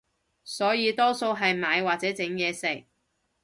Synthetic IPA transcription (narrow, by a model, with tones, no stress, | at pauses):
sɔː˨˥jiː˨˧t̪ɔː˥so˧wɦɐ˨jmaː˨˧jwaː˨t̚t͡sɛː˨˥t͡sɪ˨˥ŋjɛː˨˧sɪ˨˩k̚